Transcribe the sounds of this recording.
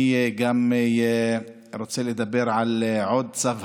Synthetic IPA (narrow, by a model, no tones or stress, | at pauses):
ɡam | ɾot͡seled̪abːeɾʕalʕod̪t͡sav